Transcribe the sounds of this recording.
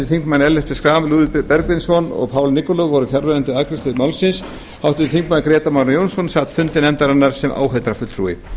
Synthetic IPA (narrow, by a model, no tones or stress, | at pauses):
ɪθiŋkmanɛlːɛspɪskɾaːmluːðɪppɛɾkvɪnsɔnɔ̰ɣpʰaːwlnikɔlɔɣvɔɾʏfjaɾvɛɾant̪ɪðakɾɪst̪ʏmawlsɪns | hawht̪ɪðɪθiŋkmankɾɛːt̪amaɾnjownsɔnsaːt̪fʏnt̪ɪnɛmnt̪aɾanːaɾ̥sɛmʔa̰ːwɦeɥt̪ɾafʏt̪ɾṵːɪ̰